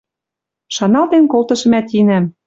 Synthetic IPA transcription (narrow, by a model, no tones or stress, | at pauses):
ʃɑnɑlt̪enkolt̪ɤ̆ʃɤ̆mæt̪inæm